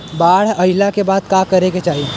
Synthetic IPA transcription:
baːɽ̤ɐɪlakebaːd̪̚kakɐɾeɡet͡ʃaːɦi

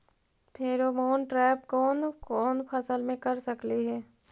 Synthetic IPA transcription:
pʰeɾomoːnʈɾɛːpkɔːnkɔːnpʰɐsəlmẽkɐɾsɐkliɦɛː

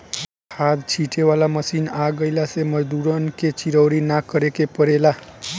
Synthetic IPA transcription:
kʰad̪t͡ʃʰiʈʰewalaməsinaɡəɪlaseməd͡ʒd̪uɾənket͡ʃiɾəwɾinakəɾekepəɾela

